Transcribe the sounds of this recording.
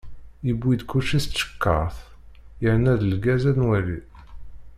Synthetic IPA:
ibːid̪kuʃist̪ʃə̥kːəʁθ | jəʕnæðəlɡæzælnwæɾi

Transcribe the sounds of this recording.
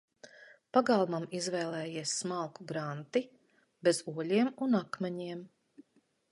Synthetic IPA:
paɡalˠmamizvɛːlˠɛːjiɛsːmalˠkuɡɾant̪i | bezuɔʎiɛmunakmɛɲiɛm

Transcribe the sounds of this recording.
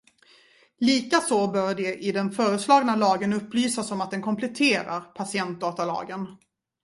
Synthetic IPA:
liːkasɔbœɾɖɛʔɪd̪ɛnfœːɾəslɑːɡnalɑːɡənɵpːlyːsasɔmat̪̚d̪ɛnkʰɔmpʰlɛt̪ʰeːɾa̰ɾpʰasɪɛnt̪̚d̪ɑːt̪alɑ̰ːɡən

